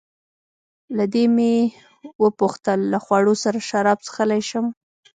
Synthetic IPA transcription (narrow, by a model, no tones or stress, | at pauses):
lad̪eme | wəpuxt̪əlːaxwɑɽosaɾaʃaɾɑb̚t͡sə̥xəlajʃəm